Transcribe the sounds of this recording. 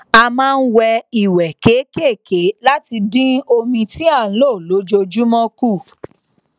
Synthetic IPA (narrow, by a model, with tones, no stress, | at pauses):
a˧mãː˦˧n̩˦wɛ˧i˨wɛ˨ke˨˦ke˦˨ke˨˦la˦ti˧dĩ˦o˧mĩ˧tĩ˦a˦˨˦lo˦˨lo˨˦d͡ʒo˧d͡ʒu˦mɔ̃˦ku˦˨